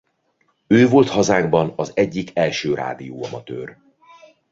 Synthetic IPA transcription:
øːvo̞lt̪hɒzaːɡbɒnɒzɛɟːikɛlʃøːra̰ːd̪ijoːɒmɒt̪ø̰ːr

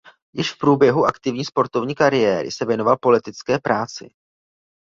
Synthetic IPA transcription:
jɪʃfpɾuːbjɛɦuʔakt̪ɪvɲiːspo̞ɾt̪o̞vɲiːkaɾɪjɛːɾɪ̰sɛvjɛno̞valpo̞lɪt̪ɪt͡skɛːpɾaːt͡sɪ̰

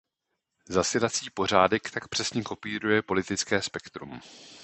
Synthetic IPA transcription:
zasɪlat͡siːpo̞r̝aːdɛkt̪akpr̝̥ɛsɲɛko̞piːɾujɛpo̞lɪt̪ɪt͡skɛːspɛkt̪ɾṵm

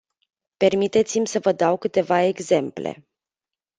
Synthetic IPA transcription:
pe̞rmit̪e̞t̪simʲsəvəd̪awkɨt̪e̞vae̞ɡze̞mplḛ

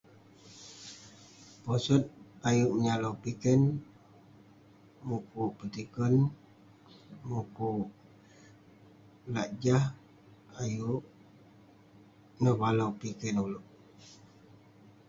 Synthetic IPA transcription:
pɔsɔt̪̚ajuʔməɲalowpikɛn | mukuʔpət̪ikən | mukuʔ | laʔd͡ʒah | ajuʔ | nəbalawpikɛnulʊʔ

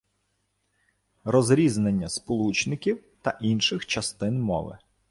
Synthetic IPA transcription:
rɔzɾʲiznenʲːɐspɔlˠut͡ʃnɪkʲiwt̪ɐʔinʃɪxt͡ʃɐst̪ɪnmɔ̰ʋɪ̰

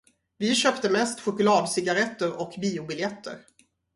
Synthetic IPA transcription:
vɪɕœːpt̪əmɛst̪ɧʊkɵlɑːd̪sɪɡaɾɛt̪ːəɾɔkbiːʊbɪljɛt̪ʰːə̰ɾ

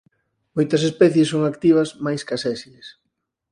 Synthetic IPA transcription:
mojt̪ɐsespɛθjesːoŋakt̪iβ̞ɐsmajskasɛsies

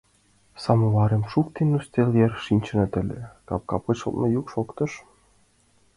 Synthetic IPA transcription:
sɑmɤlɑɾʲemʃukt̪enːust̪ʲelʲjerʲʃinʲt͡ɕɘ̆nɑt̪ʲɘ̆lʲɘ̰̆kɑp̚kɑpɤ̆ʃɤ̰̆lˠt̪mɤ̆jukʃokt̪ɤ̆ʃ

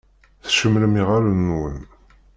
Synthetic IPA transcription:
θʃəmːləmiʁaɾənːwə̰n

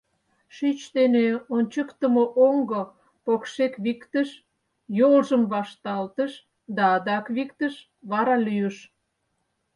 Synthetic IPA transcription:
ʃyt͡ɕt̪eneonʲt͡ɕəkt̪əmoʔoŋɡə | pokʃekβikt̪əʃ | jolʒəmβɑʃt̪ɑlt̪əʃ | d̪ɑːd̪ɑkβikt̪əʃ | βɑɾɑlyjəʃ

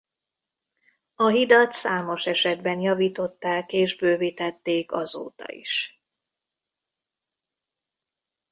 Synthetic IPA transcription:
ɒɦid̪ɒt̪saːmo̞ʃɛʃɛd̪bɛnjɒviːt̪o̞t̪ːaːkeːʒbøːvit̪ɛt̪ːeːkɒzo̰ːt̪ɒ̰ḭʃ

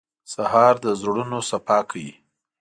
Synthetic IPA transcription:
sahɑɾd̪əzɽunosapɑkʰawji

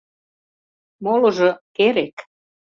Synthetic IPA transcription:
molŏʒɤkeɾek

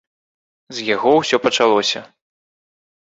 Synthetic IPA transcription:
zʲjaɣɔwsʲɔpɐt͡ʂalˠɔsʲɐ̰

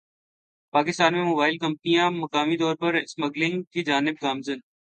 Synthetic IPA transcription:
paːkɪst̪aːnmẽmoːbaːɪlkɐmpnijãːmɐkaːmit̪ɔːɾpəɾɪsməɡlɪŋɡk̪ʰid͡ʒaːnɪb̚ɡaːmzən

